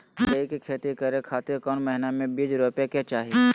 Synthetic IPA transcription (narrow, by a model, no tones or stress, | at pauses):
ɡəikekʰeːt̪ikəɾekʰaːt̪ɪɾkɔːnmɛɦɪnamẽbiːd͡ʒɾoːpjaket͡ʃaːɦi